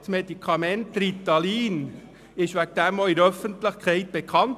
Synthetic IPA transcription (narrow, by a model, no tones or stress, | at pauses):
smedikʰχɑmɛnt̪ɾit̪ːɑliːn | ɪʃʋæk̚d̥̪æmoɪɾœfəntləχkχɛɪt̚b̥ekʰχɑnt